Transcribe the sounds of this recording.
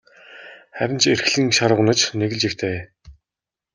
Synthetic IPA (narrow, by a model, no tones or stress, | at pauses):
χæɾʲɪ̆nt͡ɕerxɮĭŋʃaɾə̆wnə̆t͡ɕneɣɘ̆ɮt͡ɕixt̪ʰeː